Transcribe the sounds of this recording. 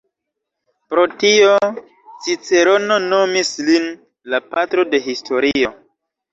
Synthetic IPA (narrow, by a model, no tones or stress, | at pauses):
pɾo̞tio̞ | sit͡se̞ɾo̞no̞no̞mislin | lapatɾo̞de̞ɦistʰo̞ɾio̞